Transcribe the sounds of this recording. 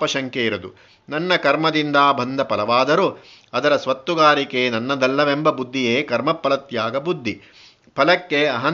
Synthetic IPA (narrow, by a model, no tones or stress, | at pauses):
ɐʃɐŋkeiɾɐd̪ṵ | nɐnːɐkɐɾmɐd̪ind̪aːbʱɐnd̪ʱɐpɐlɐʋaːd̪ɐɾu | ɐd̪ɐɾɐsʋɐt̪ːuɡaːɾikenɐnːɐd̪ɐlːɐʋembɐbud̪ʱːijeːkɐɾmɐpːɐlɐt̪jaːɡɐbud̪ʱːi | pʰɐlɐkːeɐɦɐ